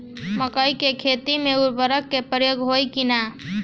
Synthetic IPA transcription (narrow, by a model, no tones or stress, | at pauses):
məkəjkekʰet̪imeuɾbəɾəkːepəɾəjoɡɦojkina